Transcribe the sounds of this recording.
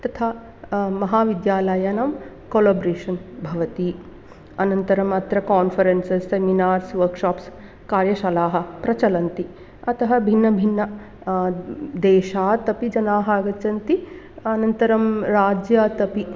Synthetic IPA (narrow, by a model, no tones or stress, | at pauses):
t̪ɐt̪ʰaː | mɐɦaːʋid̪jaːlɐjɐnɐm | koːlɐːbɾeːʂɐnbʱɐʋɐt̪i | ɐnɐnt̪ɐɾɐmɐt̪ɾɐkaːnfɐɾensesːeminaːɾsʋɐɾkʂaːps | kaːɾjɐʃɐlaːɦɐ̆pɾɐt͡ʃɐlɐnt̪i | ɐt̪ɐɦɐbʱinːɐbʱinːɐ | d̪eːʃaːt̪ɐpid͡ʒɐnaːɦɐaːɡɐt͡ʃɐnt̪i | ɐnɐnt̪ɐɾɐmɾaːd͡ʒjaːt̪ɐpi